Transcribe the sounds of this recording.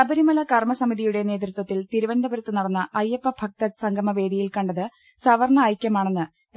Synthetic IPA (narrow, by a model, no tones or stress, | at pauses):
sɐbɐɾimɐlɐkɐrmɐsɐmiðijuɽe̞ne̞ːt̪ɾut̪wɐt̪ːilt̪iɾuʋɐnd̪ʱɐbɐɾɐt̪ːɨnɐɽɐnːɐʔɐjːɐpːɐbʱɐk̚t̪ɐt̪sɐŋɡʱɐmɐʋe̞ːd̪ijilkɐɳɖɐðɨ | sɐʋɐɾɳɐːjkʲːɐmaːɳenːɨ